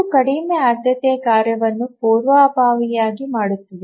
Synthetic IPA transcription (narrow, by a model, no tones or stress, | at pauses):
kɐɽimeaːɾd̪ʱjɐt̪eːkaːɾjɐʋɐnːupoːɾʋaːbaːʋijaːɡimaːɽut̪ːɐd̪e